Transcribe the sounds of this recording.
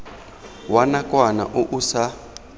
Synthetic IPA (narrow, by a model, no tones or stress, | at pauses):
wanakʼwana̰ʔoʔusa